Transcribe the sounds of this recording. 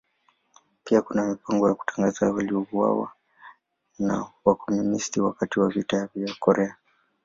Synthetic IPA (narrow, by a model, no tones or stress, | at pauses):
piakunamipaŋɡɔjaku̥taŋɡazawaliɔvua̰wa̰ | nawakɔmunistiwakatiwavitavjakɔɾɛa